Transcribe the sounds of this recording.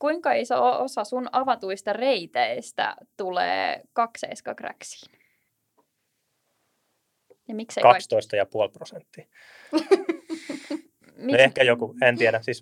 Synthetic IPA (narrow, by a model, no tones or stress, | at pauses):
kuiŋkɑeisḛoosɑsunɑʋɑt̪uist̪ɑreit̪eist̪æ̰t̪ulḛːkɑksḛiskɑkræ̰ksi̥ːn | jɑmiksḛikɑkst̪oist̪ɑjɑpuolprosent̪ːi | miehkæjokuent̪iæɾæsis